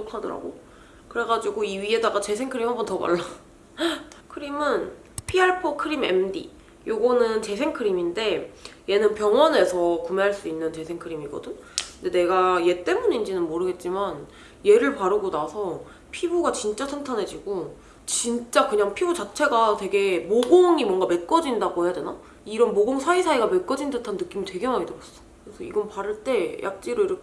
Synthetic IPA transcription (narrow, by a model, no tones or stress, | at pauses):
okʰadʌ̰ɾa̰ɡo | kɯɾe̞ɡad͡ʑiɡoiɥie̞daɡat͡ɕe̞sʰe̞ŋkʰɯɾimhambʌntʌma̰ɭːa | kʰɯɾimɯn | pʰiaɭpʰokʰɯɾime̞̰mdḭ | joɡʌnɯnt͡ɕe̞sʰe̞ŋkʰɯɾiminde̞je̞nɯnpjʌŋwʌne̞sʰʌkumeɦaɭs͈uinːɯnt͡ɕe̞sʰe̞ŋkʰɯɾimiɡʌ̰dɯnknde̞ne̞ɡaje̞t͈e̞munind͡ʑinɯnmoɾɯɡe̞t̚t͡ɕ͈iman | je̞ɾɯɭpaɾɯɡonasʰʌ | pʰibuɡat͡ɕint͡ɕ͈asʰaŋtʰanɦe̞d͡ʑiɡo | t͡ɕint͡ɕ͈akɯɲaŋpʰibut͡ɕat͡ɕʰe̞ɡatwe̞ɡe̞moɡoŋimwʌnɡame̞t̚k͈ʌd͡ʑindaɡoɦe̞jadwe̞na | iɾʌnmoɡoŋsʰaisʰaiɡame̞k͈ʌd͡ʑindɯtʰanːɯk͈imitwe̞ɡemaŋidɯɾʌs͈ʌ̥kɯɾesʰʌḭɡʌnpaɾɯɭt͈e̞jʔa̰k̚t͡ɕ͈iɾoiɾʌkʰ